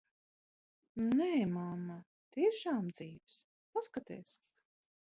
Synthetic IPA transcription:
nɛːmamːa | t̪iɛʃaːmd̪z̥iːvs | paskat̪ɛ̰ːs

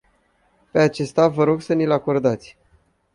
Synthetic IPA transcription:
pe̞at͡ʃe̞st̪avəɾo̞ɡsənilako̞rd̪at̪sʲ

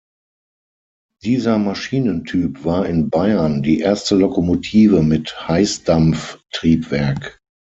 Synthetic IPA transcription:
d̥iːzɐmaʃiːnəntʰyːpv̥aːɐɪnbaɪɐndiːʔeɐstəlɔkomotʰiːvəmɪthaɪsd̥amftʁ̥iːpv̥ɛɐk

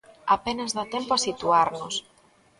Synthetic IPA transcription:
apenazðat̪empoasit̪uaɾnʊs

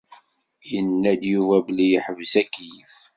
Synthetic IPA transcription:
jənːæd̪juvæblijəħəvəsækːjəf

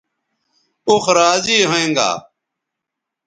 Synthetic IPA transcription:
ʊxɾaːziːɦoẽːŋɡa̰ː

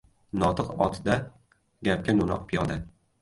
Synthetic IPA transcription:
nɒt̪ʰɨqɒ̰t̪ʰd̪a | ɡʲap̚kʲanunɒ̰qpʰɪjɒd̪a

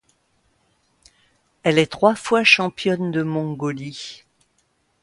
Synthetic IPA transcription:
ɛlɛt̪χwafwaʃɑ̃pjɔnd̪əmɔ̃ɡɔli

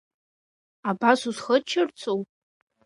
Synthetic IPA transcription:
abasuzχət͡ʃʰɪrt͡sʰʼowpʼ

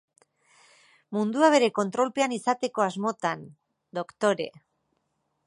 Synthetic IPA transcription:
mund̪uaβ̞e̞ɾe̞ko̞nt̪ɾo̞lpe̞anisat̪e̞ko̞azmo̞t̪an | d̪o̞kt̪o̞ɾe̞̰

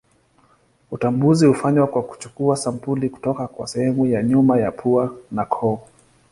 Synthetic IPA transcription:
utambuzihufaɲwakwaku̥t͡ʃukuasampuliku̥tɔkakwa̰sɛhɛmujaɲumajapʰuanakʰɔ

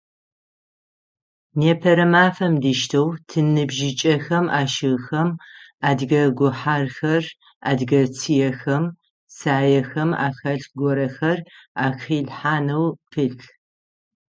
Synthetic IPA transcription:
neːpʰɐɾɐmaːfɐmdiʃtʰɐwtʰɨnɨbʒɪt͡ʃʼɐxɐmaːʃɨɣxɐmaːdɣɐɡʷʊħaːrxɐr | a̰ːdɡɐt͡sʰijɛxɐm | saːjɛxɐma̰ːxɐɬɡʷɔɾɐxɐraːxiːɮħaːnɐwpʰɨ

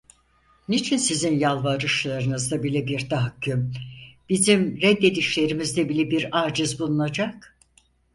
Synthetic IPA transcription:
nit͡ʃʰinsizinjalˠvaɾɯʃlˠaɾɯnɯzd̪abilʲɛbiɾt̪ʰaɦakʰːymb̥izimɾɛd̪ːe̞d̪iʃlʲe̞ɾimizd̪ɛbilʲɛbiɾaːɾd͡ʒɯzbulˠunad͡ʒak

